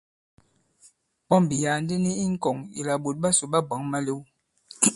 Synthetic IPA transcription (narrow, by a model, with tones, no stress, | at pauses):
pɔ˦mbi˨ja˨n˦di˦ni˦i˦ŋ̩˦kɔ˨ŋḭ˨la˨ɓo˨t̚ɓa˦so˨ɓa˦ba˨˦ŋma˦le˦w